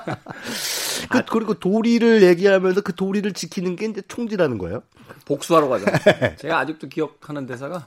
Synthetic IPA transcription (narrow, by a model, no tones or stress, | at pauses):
kɯkɯɾiɡotoɾiɾɯɭje̞ɡiɦamjʌnsʰʌkɯtoɾiɾɯɭt͡ɕikʰinɯnɡe̞ind͡ʑe̞t͡ɕʰoŋd͡ʑiɾanɯnɡʌ̰ḛjo | pok̚s͈uɦaɾoɡad͡ʑot͡ɕe̞ɡaːd͡ʑik̚t͈okijʌk̚ʰanɯnte̞sʰaɡa